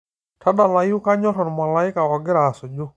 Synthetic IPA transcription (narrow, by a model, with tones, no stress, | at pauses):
tʰa˦da˨la˨ju˦ka˦ɲɔ˦ɾɔ˨nma˨la˦ɪ˦ka˨ɔ˨ɡɪ˦ɾa˨sɔ˨d͡ʒo˦